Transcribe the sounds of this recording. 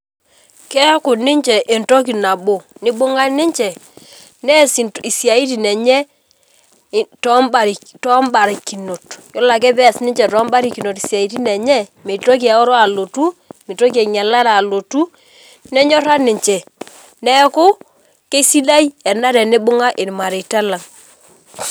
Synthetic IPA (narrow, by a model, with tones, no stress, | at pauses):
kɛ˦kʊ˨nɪ˦ɲt͡ʃɛ˨ʔe˨nto˦k̬i˨na˨bo˨nɪ˦bʊ˦ŋa˦nɪ˦ɲt͡ʃɛ˨ | nɛ˦si˨i˨sja˨i˦t̬i˨nɛ˨ɲɛ˦˨ | tɔ˦mba˨ɾ | tɔ˦mba˨ɾi˨ki˨no˨tjo˦la˨k̬ɛ˦bɛ˦˨snɪ˦ɲt͡ʃɛ˨tɔ˨˦mba˦ɾi˨ki˨no˨ti˨sja˨i˦t̬i˦nɛ˨ɲɛ˦me˨to˦k̬i˦ɛ˨o˦ɾo˦a˨lo˨tu˦mi˨to˦k̬i˦ɛ˨ŋɛ˨la˦ɾa˨lo˨tu˦ | nɛ˦ɲɔ˦ɾa˦nɪ˨ɲt͡ʃɛ˨ | nɛ˦kʊ˦ | ke˦si˦la˦jɛ˨na˦ɾɛ˨nɪ˦bʊ˦ŋa˦ʔɪ˨n˨ma˨ɾe˨ta˦la˨ŋ